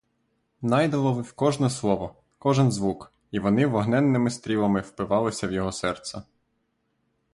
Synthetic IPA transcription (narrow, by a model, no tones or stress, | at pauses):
nɑjd̪ɐlˠɔʋɪwkɔʒnɛslˠɔʋɔ | kɔʒɛnzʋuk | iʋɔnɪʋɔɦnɛnːɪmɪst̪ɾʲilˠɐmɪwpɪʋɑlˠɪsʲɐwjɔɦɔsɛrt̪sɐ